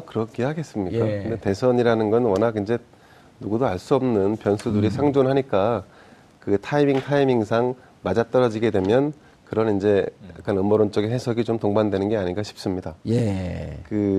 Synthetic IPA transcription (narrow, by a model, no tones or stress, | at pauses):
ʌkɯɾʌkʰiɦaɡe̞s͈ɯmɲikk͈akɯɯnde̞te̞sʰʌɲiɾanɯnɡʌnwʌnaɡind͡ʑe̞ | nuɡudoaɭs͈uʌmnɯnpjʌnsʰuduɾisʰaŋd͡ʑonɦaɲik͈a | kɯtʰaimiŋtʰaimiŋsʰaŋ | mad͡ʑat͈ʌɾʌd͡ʑiɡe̞dwe̞mjʌn | kɯɾʌnind͡ʑe̞jja̰k͈ʰanɯmʌɾont͡ɕ͈ʌɡeɦe̞sʰʌɡit͡ɕomtoŋbandwe̞nɯnɡe̞aɲiŋɡaɕʰi̥p̚s͈ɯmɲidajekɯ